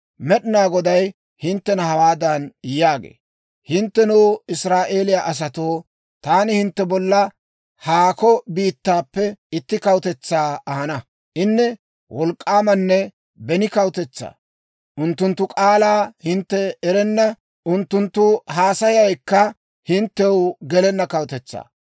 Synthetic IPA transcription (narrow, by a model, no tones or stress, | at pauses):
mɛɗɪnaːɡɔd̪ɐj | hɪnt̪ːɛnɐhɐwaːd̪ɐnjaːɡḛː | hɪnt̪ːɛnuːɪsɾaːʔe̞ːlɪjaʔɐs̬ɐt̪oː | t̪aːnɪhɪnt̪ːɛbɔlːɐ | haːkɔbiːt̪ːaːpːɛɪt̪ːɪkɐwt̪ɛt͡sːaːɐhɐnɐ | ʔɪnːɛ | wʔɔlkʼːaːmɐnːɛ | bɛnɪkɐwt̪ɛt͡sːa̰ː | ʔʊnt̪ːʊnt̪ːʊkʼaːlaːhɪnt̪ːɛɛɾɛnːɐ | ʔʊnt̪ːʊnt̪ːʊɦaːsɐjɐjkːɐ | hɪnt̪ːɛwɡɛlɛnːɐkɐwt̪ɛt͡sːa̰ː